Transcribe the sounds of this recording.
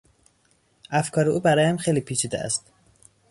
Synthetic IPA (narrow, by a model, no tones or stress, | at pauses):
ʔæfkʰɒːɾeʔuːbæɾɒːjehæmxejliːpʰiːt͡ʃʰiːd̪eʔæ̰st̪